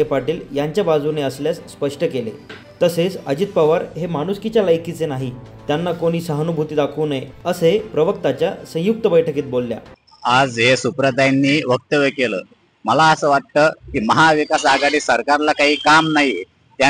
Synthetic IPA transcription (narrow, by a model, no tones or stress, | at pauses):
epaʈiːljaɲt͡ɕjabad͡zuneəsljasːpəʂʈəkelḛ | t̪əset͡səd͡ʑit̪̚paʋaɾɦemaɽ̃uskit͡ɕjaləjkit͡senaɦit̪janːakoɽ̃iːsəɦənubʱut̪iːd̪akʰəːnəeəsepɾəʋəkt̪at͡ɕjasə̃juk̚t̪əbəjʈʰəkiːt̪̚bolːja̰ | ad͡zɦesupɾəd̪ʱajnːiːʋək̚t̪əʋəkelə̰ː | məlaəsəːʋaʈ̚t̪əːkiːməɦaʋikasaɡaɽiːsəɾkaɾlakaɦiːkamnaɦi | t̪ja